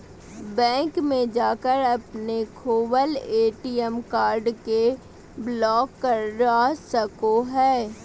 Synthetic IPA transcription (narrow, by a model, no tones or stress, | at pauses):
bɛ̃ːŋkmẽd͡ʒaːkəɾɐpnekʰoːwəleːʈiːɛmkaːɾɖke | blɔːkːəɾːasəkoɦɛː